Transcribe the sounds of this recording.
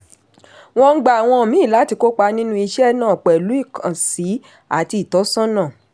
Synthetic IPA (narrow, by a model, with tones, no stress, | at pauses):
w̃ɔ̃˧ŋ̩˦ɡ͡ba˨a˨w̃ɔ̃˧˨mĩ˨˦˨la˨˦ti˧ko˦k͡pa˧nĩ˦nũ˦i˧ʃɛ˦nãː˦˨k͡pɛ˨lu˨˦i˦˨kʰã˨si˨˦ | a̰˨ti˧i˨tɔ˨˦sɔ̃˦nã˦˨